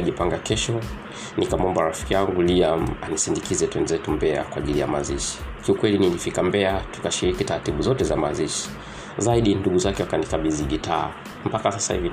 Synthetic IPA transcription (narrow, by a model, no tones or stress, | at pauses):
ʄipaŋɡakɛʃɔ | nikamɔmbaɾafi̥kijaŋɡuliam̩anisindikizɛtwɛnzɛtumbɛa̰kwaʄilija̰ma̰ziʃi̥kiukwɛlinilifikambɛatu̥kaʃiɾikitaɾatiɓuzɔtɛzamaziʃi̥ | zaiɗinduɠuzakɛwakanikaɓiziʄitaː | m̩pakasasa̰hḭvi